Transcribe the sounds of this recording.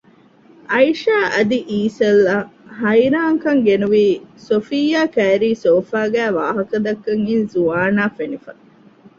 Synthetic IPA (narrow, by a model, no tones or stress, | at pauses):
ʔɐjʃaːʔɐd̪iʔiːsɐlːahɐjɾaːŋkɐŋɡenuʋiːsofijaːkæːɾiːsoːfaːɡæːʋa̰ːɦɐkɐd̪ɐkːɐŋinzuaːnaːfenifɐ